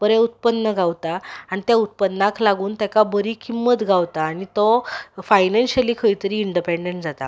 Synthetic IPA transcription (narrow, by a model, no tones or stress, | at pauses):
bəɾɛut̪̚pənːəɡawt̪aaɽ̃it̪jaut̪̚pənːakʰlaɡuːnt̪jakabəɾiːkʰimːət̪ɡʱawt̪aːɽ̃it̪ɔfajnanɕəliːkʰəjt̪əɾiːiɳɖipeɳɖeɳʈd͡zat̪a̰